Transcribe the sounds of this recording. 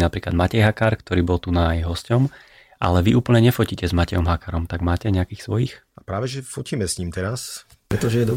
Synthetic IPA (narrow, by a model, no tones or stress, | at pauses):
napɾiːklad̪̚macɛjɦakaːɾkt̪ɔɾiːbɔlˠt̪unajɦɔscɔm | ʔa̰lɛʋiʔuːpl̩ɲɛɲɛfɔciːcɛzmacɛjɔmɦakaːɾɔmt̪aɡmaːcɛɲɛakiːxsʋɔjiːxʔapɾaːʋɛʒɛfɔciːmɛsɲiːmt̪ɛɾas | pɾɛt̪ɔʒɛjɛd̪ɔ